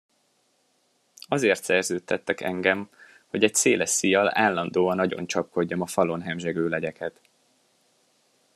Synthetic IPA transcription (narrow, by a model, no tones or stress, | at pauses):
ɒzeːrt̪sɛrzøːt̪ːɛt̪ːɛkɛ̰ŋɡɛm | ho̞ɟɛcseːlɛʃijɒla̰ːlːɒnd̪oːɒnɒɟo̞̰nt͡ʃɒp̚ko̞ɟːɒmɒfɒlo̞nɦɛmʒɛɡøːlɛɟɛkʰɛt̪